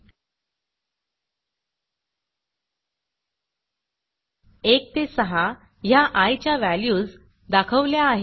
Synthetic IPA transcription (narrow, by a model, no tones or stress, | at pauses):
ek̚t̪esəɦa | jaʔajt͡ɕjaʋæljuːd͡z | d̪akʰəʋljaːɦe